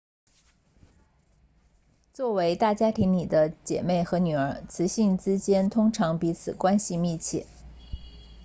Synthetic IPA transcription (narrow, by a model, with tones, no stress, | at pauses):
t͡swɔ˥˩we˧˥ɪt̪a˥˩t͡ɕja˥t̪ʰi˧˥ŋni˨˩d̪ə˦t͡ɕjɛ̰˨˩me˥˩ɪxɤ˧˥ny˨˩ə˞˧˥t͡sʰɹ̩˧˥ɕi˥˩nt͡sɻ̩˥t͡ɕjɛ˥nt̪ʰʊ˥ŋʈ͡ʂʰɑ˧˥ŋpi˧˥t͡sʰɹ̩˨˩kwa˥nɕi˨mi˥˧t͡ɕʰjɛ̰˥˩